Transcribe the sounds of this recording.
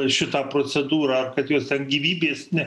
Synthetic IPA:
ʃʲɪt̪ɑːpɾoːt͡s̪ʲɛd̪uːɾɑːɐrkɐt̪joːst̪ʲɛnɡʲiːʋʲiːbʲeːsnʲɛ

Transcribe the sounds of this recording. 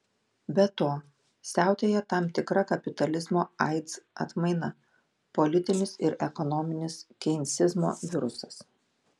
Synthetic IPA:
bʲɛt̪oː | sʲæˑʊt̪ʲeːjɛt̪ɑˑmt̪ʲɪkɾɐkɐpʲɪt̪ɐlʲɪzmoːɐ̰ɪt̪sɐ̰t̪mɐɪnɐ | pɔlʲɪt̪ʲɪnʲɪsɪɾʔɛkɔnɔmʲɪnʲɪskʲɛɪnʲsʲɪzmo̰ːʋʲɪɾʊsɐs

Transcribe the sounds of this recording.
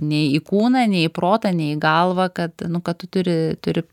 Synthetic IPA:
nʲɛɪikuːnɐnʲɛɪipɾoːt̪ɐnʲɛɪɪɡɐlˠʋɐkɐt̪nʊkɐtt̪ʊt̪ʊɾʲɪt̪ʊɾʲɪ

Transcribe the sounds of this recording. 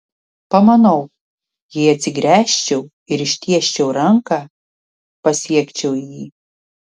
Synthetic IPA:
pɐmɐnɐʊ | jiːɐt̪ʲsʲɪɡɾʲæːʃʲt͡ʃʲɛʊ | ɪɾɪʃʲt̪ʲiɛʃʲt͡ʃʲɛʊɾɐŋkɑː | pɐsʲiɛkʲt͡ʃʲɛʊjiː

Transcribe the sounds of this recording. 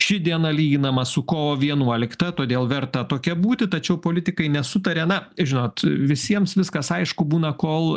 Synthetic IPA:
ʃʲɪd̪ʲiɛnɐlʲiːɡʲɪnɐmɐsʊkoːʋoːʋʲiɛnuɔlʲɪkt̪ɐt̪oːd̪ʲeːlˠʋʲɛrt̪ɐt̪oːkʲɛbuːt̪ʲɪt̪ɐt͡ʃʲɛʊpoːlʲɪt̪ʲɪkɐɪnʲɛsʊt̪ɐɾʲɛnɐʒʲɪnoːt̪ʋʲɪsʲiɛmsʋʲɪskɐsɐɪʃkʊbuːnɐkoːlˠ

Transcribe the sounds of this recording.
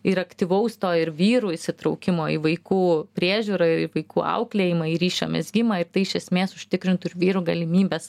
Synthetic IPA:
ɪɾɐkt̪ʲiʋɐʊst̪oːɪɾʋʲiːɾuːɪsʲɪt̪ɾɐʊkʲɪmoːḭʋɐɪkuːpʲɾʲiɛʒʲuːɾɐɪiʋɐɪkuːʔɐ̰ʊklʲeːjɪmɐiɾʲiːʃʲo̰ːmʲḛsɡʲɪmɐɪɾt̪ɐɪɪʃʲɛsʲmʲeːsʊʃʲt̪ʲɪkɾʲɪnt̪ʊɪɾʋʲiːɾuːɡɐlʲɪmʲiːbʲɛːs

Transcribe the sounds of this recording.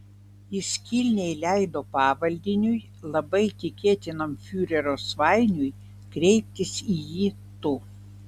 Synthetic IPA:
ɪsʲkʲilʲnʲɛɪlʲæɪd̪oːpɑːʋɐlʲd̪ʲɪnʲʊj | lˠɐbɐɪt̪ʲɪkʲeːt̪ʲɪnomfʲuːɾʲɛɾoːsʋɑˑɪnʲʊj | kɾʲɛɪpʲt̪ʲɪsijiː | t̪ʊ

